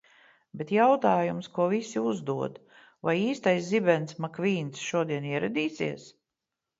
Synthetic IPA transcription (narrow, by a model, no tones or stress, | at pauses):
bet̪jawt̪aːjumskuɔvisiuzd̪uɔd̪ | vajiːst̪ajszibɛnsmakviːnsʃuɔd̪iɛniɛɾad̪iːsḭɛs